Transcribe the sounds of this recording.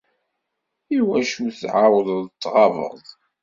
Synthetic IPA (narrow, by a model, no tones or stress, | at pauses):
iwæʃuθʕawəððət̪ːʁɑvə̰ðˤ